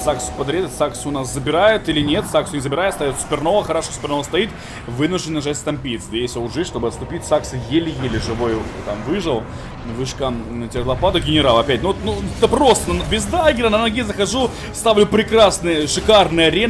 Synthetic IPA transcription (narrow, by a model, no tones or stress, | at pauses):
saksʊ̥pɐd̪ɾʲet̪saksʲʊʊnaszəbʲɪɾajʊt̪ilʲɪnʲet̪saksʊnʲɪzəbʲɪɾajtst̪ajʊt̪sʲpʲɪrno̞vəxɐɾaʂosʲpʲɪrnovəst̪ɐit̪ | vɨnʊʐd̪ʲɪnnɐʐatʲst̪ɐmʲpʲit̪sʲd̪ɐjesʲoʊʐɨtʲʂt̪o̞bɨɐt̪st̪ʊpʲitʲsaksɨjelʲɪjelʲɪʐɨvo̞jt̪amvɨʐɨlˠ | vɨʂkanətʲɪlˠɐpat̪əɡʲɪnʲɪɾalˠɐpʲætʲnʊt̪nut̪əpɾo̞st̪ənnbʲɪzd̪aɡʲɪɾənənɐɡʲezəxɐʐu | st̪avlʲʊpɾʲɪkɾasnɨjəʂɨkarnɨjəɐɾʲe